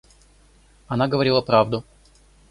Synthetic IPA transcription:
ɐnaɡəvɐɾʲilˠɐpɾavd̪ʊ

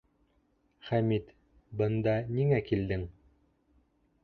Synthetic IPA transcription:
χæmit̪ | bɤ̆nd̪ɑniŋækild̪ɘŋ

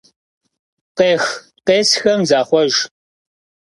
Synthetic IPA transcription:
qeːx | qeːsxɐmzaːχʷɔʒ

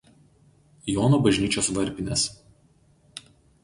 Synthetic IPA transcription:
joːnobɐʒʲnʲiːt͡ʃʲoːsʋɐɾʲpʲɪnʲɛs

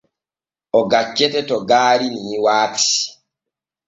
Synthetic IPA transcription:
ʔɔɡat͡ʃːɛtɛtɔɡaːɾiniiwaːksi̥

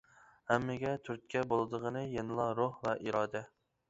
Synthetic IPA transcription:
hæmːɪɡʲɛt̪ʰyɾt̪̚ʲkʲʰɛbolˠɨd̪əʁənɨjenɨlˠɑɾohvɛʔiɾɑːd̪ɛ

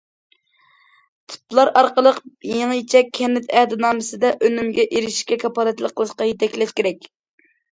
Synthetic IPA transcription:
t̪ʰy̥plˠɑɾʔɑɾqəlˠəqjeŋjit͡ʃʰɛkʲʰːɛnːɪt̪ɛhd̪ɪnɑːmɨsɨd̪ɛʔønymɡʲɛʔeɾɪʃkʲɛkʰɑpɑlˠɨt̪lˠəqʰːəlˠɨʃqɑjet̪ʰɛkʲlɛʃkʲeɾɛkʲ

